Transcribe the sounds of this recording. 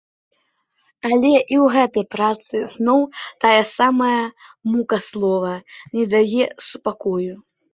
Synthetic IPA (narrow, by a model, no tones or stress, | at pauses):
alʲɛʔiwɣɛt̪ɐjpɾat̪sɨznɔwt̪ajɐsamɐjɐmukɐslˠɔvɐnʲɛd̪ajɛsupakɔju